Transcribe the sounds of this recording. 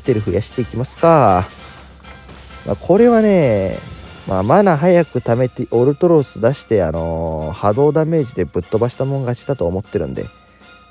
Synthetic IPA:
t̪eɾɯ̟ɸɯ̟jaɕi̥t̪ːe̞ikʲimasɨ̥ka | mʔa̰kʰo̞ɾe̞βane̞ | ma̰ːmanaɦajakɯ̟t̪ame̞t̪iʔo̞ɾɯ̟t̪o̞ɾo̞sɨd̪aɕi̥t̪e̞a̰no̞had̪o̞ːd̪amːe̞ːʑid̪e̞bɯ̟t̪ːo̞baɕi̥t̪amoŋɡat͡ɕi̥t̪at̪o̞ːmo̞t̪ːe̞ɾɯ̟̰̃nd̪e̞̰

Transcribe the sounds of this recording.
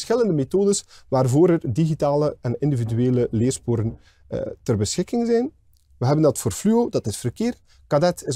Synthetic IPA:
sxɪləndəmetoːdəsʋaːrvoːɾərdiɣitaːləɛnɪndividyeːləleːrspoːɾən̰ | tərbəsxɪkɪŋzɛjn | ʋəɦɛbəndɑtfoːrflyodɑtɪsfərkeːr | kadɛtɪ

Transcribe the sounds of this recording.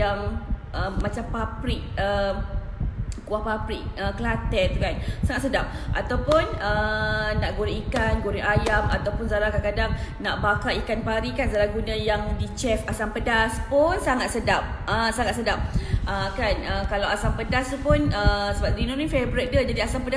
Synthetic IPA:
jaŋəmãt͡ʃampapɾɪk̚ə | kuahpapɾɪk̚əkəlat̪ɛnt̪ukansaŋat̪sədap̚ʔat̪awpʊnənaʔɡoɾiikanɡoɾiʔajamat̪awpʊnzalakankadaŋnaʔbakaikanpaɾikanzalahɡunãjaŋdit͡ʃɛfasampədaspʊnsaŋat̪̚sədap̚əsaŋat̪̚sədap̚ʔəkanəkalawasampədast̪upʊnəsəbap̪̚ɾinunifebɾit̪̚dad͡ʒadiasampəda

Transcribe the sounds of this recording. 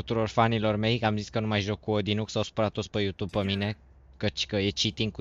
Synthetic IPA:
ut̪uɾo̞rfanilo̞rme̞jamziskənumajʒo̞kːuod̪inuksawsu̥pɾat̪ːospəjut̪ub̚pəmine̞ | kət͡ʃʲkəjet͡ʃit̪iŋku

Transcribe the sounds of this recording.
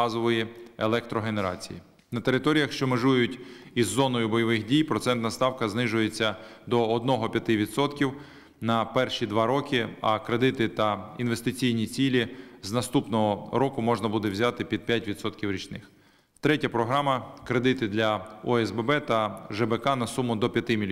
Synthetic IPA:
ɑzɔʋɔjielˠɛk̚t̪ɾɔɦene̞ɾɑ̰t͡sʲḭji | nɐt̪eɾɪt̪ɔɾʲijɐxʃt͡ʃɔmeʒujʊtʲizːɔnɔjʊbɔjɔʋɪxdʲijpɾɔt̪sɛnt̪nɐst̪ɑwkɐznɪʒʊjet͡sʲːɐd̪ɔːd̪̚nɔɦɔpʲjɐt̪ɪʋʲid̪sɔt̪kʲiw | nɐpɛrʃid̪ʋɑɾɔkɪɐ̰kɾed̪ɪt̪ɪt̪ɐinʋe̞st̪ɪt͡sʲijnʲit͡sʲilʲiznɐst̪upnɔɦɔɾɔkʊmɔʒnɐbud̪ɛwzʲɑt̪ɪpʲid̪̚pʲjatʲʋʲid̪sɔt̪kʲiwɾʲit͡ʃnɪx | t̪ɾɛtʲɐpɾɔɦɾɑmɐkɾe̞d̪ɪt̪ɪd̪lʲɐɔɛzbɛbɛt̪ɐʒɛbekɑnɐsumʊd̪ɔpʲjɐt̪ɪmʲilʲ

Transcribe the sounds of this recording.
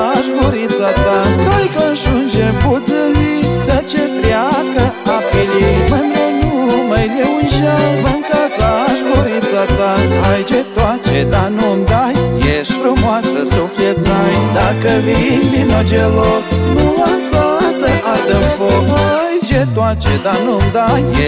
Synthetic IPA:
ʃɡuɾit͡sat̪ad̪ajkonʃund͡ʒebuzɨlisət͡ʃet̪ɾjakəapilimɨnd̪onumajleuʒawmɨŋkat͡saʃɡuɾit͡sat̪aajd͡ʒet̪wat͡ʃed̪anund̪ajjeʃfɾumwasəsuflet̪najd̪akəvinbinod͡ʒeloknulasasəʔat̪əmfolajd͡ʒet̪wat͡ʃed̪anumd̪aj

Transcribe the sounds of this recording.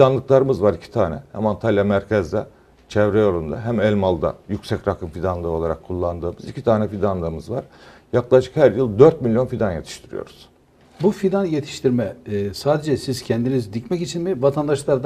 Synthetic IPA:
fd̪anlˠɯklˠaɾɯmɯzvaɾicʰi̥t̪ʰaːnɛ̰hæ̰mant̪ʰalʲˠjamæɾcʰɛzd̪ɛ | t͡ʃʰɛvɾɛjoɾund̪a̰ɦæmɛlʲmalˠd̪a̰jycʲsɛcɾakʰɯmfid̪anlˠɯːo̞lˠaɾakʰːulˠːand̪ɯːmɯzicʰit̪ʰaːnɛfid̪anlˠɯɾɯmɯzvaɾ̥jaklˠaʃɯ̥khæɾjɯlˠd̪øɾt̪̚milʲjo̞nfid̪anje̞t̪ʰi̥ʃt̪ʰiɾḭjo̞̰ɾuz̥ | bufid̪anjet̪ʰi̥ʃt̪ʰiɾmɛsaːd̪ed͡ʒɛsiz̥cʰɛnd̪inizd̪icmɛcit͡ʃʰinmivat̪ʰand̪aʃlˠaɾd̪

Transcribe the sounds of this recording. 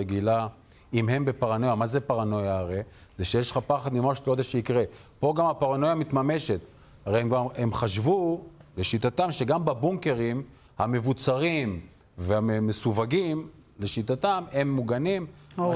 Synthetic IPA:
eɡila | imhe̞mbe̞paʁano̞jamazepaʁano̞jaːʁezeʃejeʃχapaχad̪mimaʃtlod̪aʃeikʁepo̞ɡamhapaʁanojamit̪mame̞ʃe̞t̪ | haʁejemɡvaemχaʃvule̞ʃit̪at̪amʃeɡambabuŋke̞ʁim | hame̞vut͡saʁim | vehaemesuvaɡim | le̞ʃit̪at̪amhe̞mːuɡanim

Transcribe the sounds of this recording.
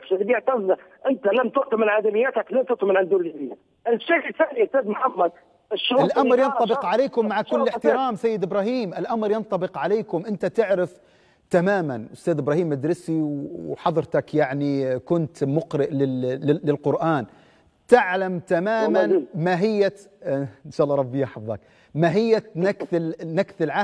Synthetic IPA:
fʃalbijʕt̪ɑznaʔɪnt̪alamt̪ʊʔt̪amɪlʕaːlamɪjːaːt̪aklamt̪ʊʔt̪mɪlʕɪnd̪uːnlɾijːa | ʔɪlʃeːθaːniʊst̪æːd̪mħamːæd̪̚ | ɪʃːʊalʔamɾˤjɑnt̪ˤːɑbɪqʕaleːkʊmːaʕakʊlːɪħt̪ɪɾaːmsajːɪd̪ɪbɾɑːɦiːmʔɪlʔamɾjɑnt̪ˤɑbɪqʕaleːkʊmʔɪnt̪at̪ɪʕɾɪf | t̪amaːmanʔʊst̪aːd̪ɪbɾˤɑːhiːmːad̪ɾɪsiwwħɑðˤɾt̪akjaʕnikʊnt̪mʊqɾɪʔlɪːɪlɪlqʊɾʔaːn | t̪ɪʕlamt̪amaːmanmaɦɪjːa | nʃaːʔlːɑːɾˤɑbːɪjːaħɑfðˤɑ̰k̚ | maɦɪjːanakθɪnakθɪlʕa

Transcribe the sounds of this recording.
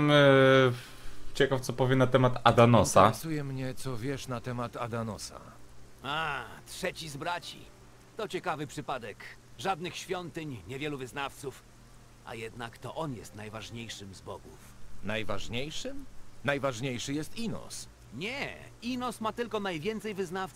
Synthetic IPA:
m | t͡ɕɛkaft̪sɔpɔvʲjɛnat̪ɛmat̪ad̪anɔsasujɛmɲɛt̪sɔvʲjɛʂnat̪ɛmat̪ad̪anɔsa̰ | atʂɛt͡ɕizbɾat͡ɕḭ | t̪ɔt͡ɕɛkavɘpʂɘpad̪ɛk | ʐad̪nɘxɕfʲjɔnt̪ɘɲɲɛvʲjɛluvɘznaft̪suf | ʔa̰jɛd̪nakt̪ɔʔɔnjɛst̪najvaʐɲejʂɘmzbɔɡufnajvaʐɲejʂɘmnajvaʐɲejʂɘjɛst̪inɔ̰s | ɲɛ | inɔsmat̪ɘlkɔnajvʲjɛnt̪sɛjvɘznaft̪

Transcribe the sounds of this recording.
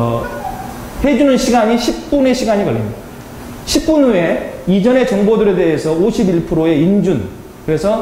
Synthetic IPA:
he̞d͡ʑunɯnɕʰiɡaɲiɕʰip̚kp͈une̞ɕʰiɡaɲikʌʎːimida | ɕʰip̚k͈unue̞id͡ʑʌne̞t͡ɕʌŋbodɯɾe̞de̞ɦesʰʌoɕʰibiɭpʰɯɾoe̞ind͡ʑun | kɯɾe̞sʰʌ

